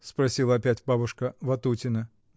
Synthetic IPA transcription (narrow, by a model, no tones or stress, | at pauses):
spɾɐsʲilˠəɐpʲætʲbabʊʂkəvɐt̪utʲɪnə